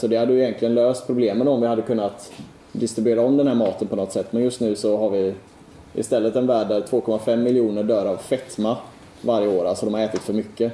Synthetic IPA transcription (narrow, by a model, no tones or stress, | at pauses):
sɔd̪ɛhad̪ːəjʏjɛnk̪lɪɡənløːst̪̚pʰɾʊbleːmənɔmvɪhad̪ːəkʰɵnːat̪ | d̪ɪst̪ɾɪbʏeːɾaɔmd̪ɛnhæːɾmɑːt̪ənpʰɔnɔt̪ːsɛt̪ːmɛnjɵst̪nʉ̟ːsɔɦaɾvɪ | ʔɪ̰st̪ɛlːət̪ɛnvæːɖæɾt̪ʰvoːkʰɔmːafɛmːɪljuːnəɖœːɾavfɛt̪ma | vaɾjəoːɾalsɔd̪ɔmhaɾɛːt̪ɪt̪fœɾmʏkːə